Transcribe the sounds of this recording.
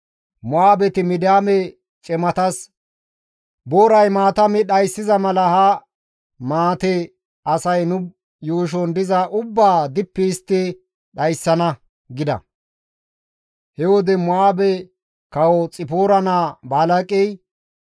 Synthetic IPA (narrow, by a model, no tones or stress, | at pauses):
mʊaːbɛt̪ɪmɪd̪ɪjaːmɛ | t͡ʃʼɛmɐt̪ɐs | boːɾɐjmaːt̪ɐmɪɗɐjsːɪzɐmɐlɐhɐ | maːt̪ɛ | ʔɐsɐjnʊ | juːʃ̬ɔnd̪ɪzɐʔʊbːaːd̪ɪpːɪɪst̪ːɪ | ɗɐjsːɐnɐ | ɡɪd̪ɐ̰ | hɛwɔd̪ɛmʊaːbɛ | kɐwɔt͡sʼɪpoːɾɐnaːbaːlɐkʼɛj